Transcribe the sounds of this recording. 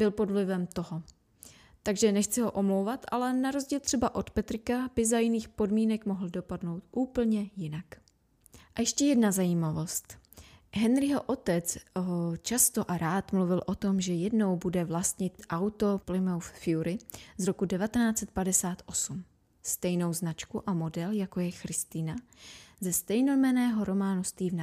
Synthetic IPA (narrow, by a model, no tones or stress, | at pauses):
bɪlpo̞dvlɪvɛmt̪o̞ɦo | t̪aɡʒɛnɛxt͡sɪɦo̞ʔo̞mlo̞wvat̪ʔalɛnaɾo̞zɟiːlt̪r̥ɛbaʔo̞t̪pɛt̪ɾɪkabɪzajɪniːxpo̞dmiːnɛkmoɦl̩do̞padnowt̪ʔuːpl̩ɲɛjɪnak | ʔajɛʃcɛjɛdnazajiːmavo̞st̪ | ɦɛnɾɪɦoʔo̞t̪ɛt͡sɦot͡ʃast̪o̞ʔaɾaːt̪mluvɪlʔo̞t̪o̞mʒɛjɛdno̞wbudɛvlast̪ɲɪt̪ʔawt̪o̞plɪmowffɪuɾɪzɾo̞kudɛvat̪ɛnaːt͡sɛt̪̚padɛsaːt̪ʔo̞sum | st̪ɛjno̞wznat͡ʃkuʔamo̞dɛljako̞jɛxɾɪst̪ɪnazɛst̪ɛjnomɛnɛːɦo̞ɾo̞maːnust̪viːvna